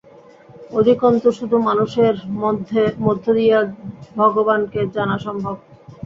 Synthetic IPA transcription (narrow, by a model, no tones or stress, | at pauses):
od̪ʱikont̪oʃud̪ʱumanuʃeɾ | mod̪ʱːod̪ijabʱɔɡobanked͡ʑanaʃɔmbʱob̚